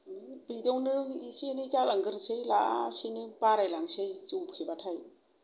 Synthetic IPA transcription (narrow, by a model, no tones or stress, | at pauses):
bidɯwnɯisinizaləŋɡɯɾsejlaa̰sinibaɾajlaŋsejzuwpʰebatʰaj